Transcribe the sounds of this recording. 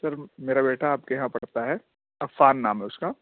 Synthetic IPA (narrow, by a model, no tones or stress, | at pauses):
sɐɾmeːɾabeːʈaːp̚kejɐɦãpɐɽ̤t̪aɦɛː | ɐfaːnːaːmɦɛʊskaː